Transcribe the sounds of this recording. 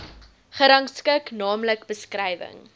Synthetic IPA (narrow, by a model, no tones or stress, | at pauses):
χəɾɐŋskəknɑːmləkbəskrɛjvə̰ŋ